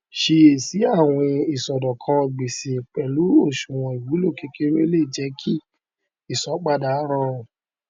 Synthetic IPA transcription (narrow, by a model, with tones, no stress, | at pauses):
ʃe˧e˨si˨˦a˦˨w̃ɔ̃˧i˨sɔ˨dɔ˨kʰã˧˨ɡ͡be˨se˨k͡pɛ˨lu˨˦o˦˨ʃũ˨w̃ɔ̃˨i˨wu˨˦lo˦˨ke˧ke˦ɾe˦le˦˨d͡ʒɛ˧˦kʰi˦ | i˦˨sɔ˨˦k͡pa˦da˨˦ɾ̃ã˦õ˨